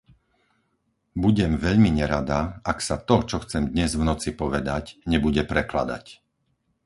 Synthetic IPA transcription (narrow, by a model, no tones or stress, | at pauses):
buɟɛmʋɛʎmiɲɛɾad̪aaksat̪ɔt͡ʃɔxt͡sɛmd̪ɲɛzvnɔt͡sipɔʋɛd̪acɲɛbuɟɛpɾɛkla̰d̪a̰c